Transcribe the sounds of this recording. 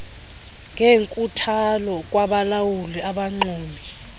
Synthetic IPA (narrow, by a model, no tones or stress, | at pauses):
ŋeŋkʼutʰalɔk̬ʼwaɓalawuliaɓaŋ͡ǀuːmi